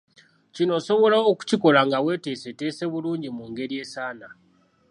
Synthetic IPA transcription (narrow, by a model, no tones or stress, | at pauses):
cino̞so̞βo̞laoku̥ciko̞laŋɡawe̞ːte̞ːse̞te̞ːse̞βuluːɲɟimuŋɡe̞ɾje̞ːsaːna